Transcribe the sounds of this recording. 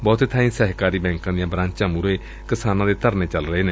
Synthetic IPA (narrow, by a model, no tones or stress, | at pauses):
bɔːt̪ːt̪ʰaːĩːsɛːɦkaːɾiːbɛ̃ːŋkãːd̪ijãːbɾãːt͡ʃãːmuɾeː | kɪsaːnãːd̪eːt̪əɾneːt͡ʃəlɾəeːneː